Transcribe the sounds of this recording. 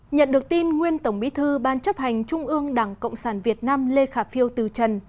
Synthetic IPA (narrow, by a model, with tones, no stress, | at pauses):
ɲə̰˧˨nɗɨ˨˩ək̚t̪i˧nŋwi˧ənt̪ə˧˩wŋ͡mɓḭ˧˥˦t̪ʰɨ˧ɓaː˧nt͡ɕə˦˥p̚ha˨˩jŋ̟t͡ɕʊ˧ŋ͡mʔɨ˧əŋɗaː˧˩ŋkə̰˧˨wŋ͡msaː˧˩nvi˨˩ət̚naː˧mle˧xaː˧˩fi˧əwt̪ɨ˨˩t͡ɕə˨˩n